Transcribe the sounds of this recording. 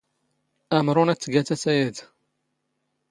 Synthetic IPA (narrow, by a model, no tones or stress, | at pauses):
æmɾunæt͡sːɡæt̪æsæjæd̪